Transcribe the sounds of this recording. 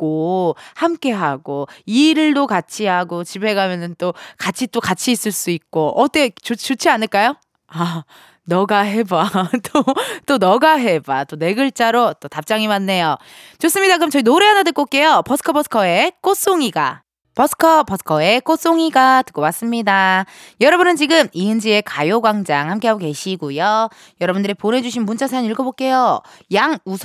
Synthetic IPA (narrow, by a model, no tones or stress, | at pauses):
k͈ohamk͈e̞ɦaɡoiɾɯɭdokat͡ɕʰiɦaɡot͡ɕibe̞ɡamjʌnɯnt͈okat͡ɕʰit͈okat͡ɕʰiːs͈ɯɭs͈uit̚k͈oʔʌt͈et͡ɕot͡ɕot͡ɕʰianɯɭk͈ajo | a | nʌɡaɦe̞bat͈ot͈onʌɡaɦe̞bat͈one̞ɡɯɭt͡ɕ͈aɾot͈otap̚t͡ɕ͈aŋimanːe̞jo | t͡ɕos͈ɯmɲidakɯɯmt͡ɕʌinoɾeɦanadɯk͈ok͈e̞jopʌsʰɯ̥kʰʌbʌsʰɯ̥kʰʌe̞k͈os͈oŋiɡa̰ | pʌsʰɯ̥kʰʌpʌsʰkʰʌe̞k͈os͈oŋiɡatɯ̥k͈owas͈ɯmɲida | jʌɾʌbunɯnt͡ɕiɡɯmiɯnd͡ʑie̞kajoɡwaŋd͡ʑaŋhamk͈e̞ɦaɡoke̞ɕʰiɡujo | jʌɾʌbundɯɾipone̞d͡ʑuɕʰinmunt͡ɕ͈ʰasʰaniɭɡʌbok͈e̞jo | jaŋusʰ